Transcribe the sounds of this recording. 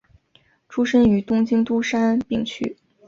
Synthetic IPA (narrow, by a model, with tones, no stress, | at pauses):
ʈ͡ʂʰu˥ʂə˥ŋy˧˥t̪ʊ˥ŋt͡ɕi˥ŋt̪u˥ʂa˥npi˥˩ŋt͡ɕʰy̰˥